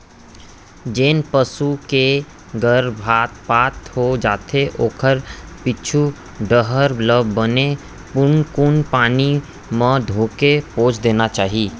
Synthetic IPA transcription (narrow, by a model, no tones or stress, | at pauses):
d͡ʒeːnpəsuke | ɡəɾbʱaːt̪paːt̪hod͡ʒaːt̪ʰeʔoːkʰəɾpɪt͡ʃʰu | ɖəɦəɾləbːəne | pʊnkʊnpaːni | mə̃d̪ʱoːkepoːt͡ʃʰd̪eːnat͡ʃaːɦi